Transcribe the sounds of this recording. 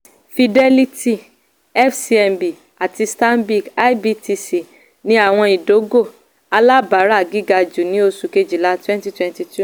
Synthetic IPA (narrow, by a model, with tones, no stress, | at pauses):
fi˧dɛ˧li˧ti˦˨ | ɛ˦fsi˦ɛ˧mbi˨ | a˨ti˧sta˦nbi˦˨ɡa˦jbi˧ti˧si˨ | nĩ˦a˦˨w̃ɔ̃˧i˨do˨˦ɡo˦˨ | a˧la˦ba˨˦ɾa˦˨ɡi˦ɡa˧d͡ʒu˨nĩ˦o˧su˨ke˧d͡ʒi˨la˦twɛ̃˦nti˦twɛ̃˦nti˧tu˦